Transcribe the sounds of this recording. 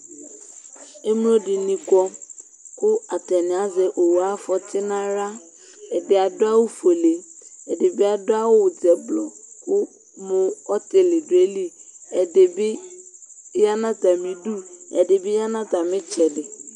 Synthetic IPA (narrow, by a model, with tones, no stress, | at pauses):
e˦m˦lo˦ɖɪ˨nĩ˦kɔ˦ | kʊ˦a˨t̪ɛ˨nɪ̃˨a˨zɛ˨ʔo˨wa˦fɔ˨t̪ʰɪ˦nã˦ɾa˦ | ɛ˨dɪ˨a˨dʊ˦a˦wʊ˦fo˨le˨ɛ˨ɖe˨be˦a˨dʊ˦a˦wʊ˦wʊ˨d͡zɛ˨blɔ˨kʊ˦ | mʊ̃˨ɔ˦t̪e˨lɪ˨ɖʊ˨e˦li˦ɛ˨ɖe˨bɪ˦ | ja˦nã˦t̪a˨mĩ˨ɖu˦ɛ˨ɖɪ˨bɪ˦ja˦nã˦t̪a˨mɪ̃˦t͡ʃɛ˨ɖɪ˨